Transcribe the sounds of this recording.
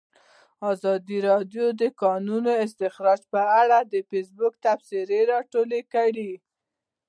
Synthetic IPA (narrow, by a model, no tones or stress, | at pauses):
ɑzɑd̪iɾɑdjod̪əkɑnunoɪst̪ɪxɾɑd͡ʒpəaɽad̪əfes̬bʊk̚t̪afsɪɾeɾɑʈolekaɽi